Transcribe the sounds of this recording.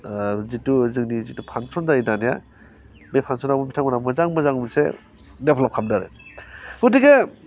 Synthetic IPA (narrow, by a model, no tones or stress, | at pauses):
zituzɯŋnizitupʰansɔnzaidanija̰ | mejpʰansɔnabɔmitʰaŋmanamazaŋmazaŋmsḛ | depʰlɔp̚kʰamdaɾɯ̰ | udiɡe